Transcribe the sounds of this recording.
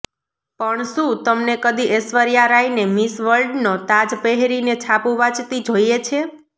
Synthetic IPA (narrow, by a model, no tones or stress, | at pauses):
pəɳʃũt̪əmnekəd̪iʔesʋəɾjaɾainemisʋəlɖnot̪ad͡ʒpeɦɾinet͡ʃʰapũʋat͡ʃt̪id͡ʒoijet͡ʃʰe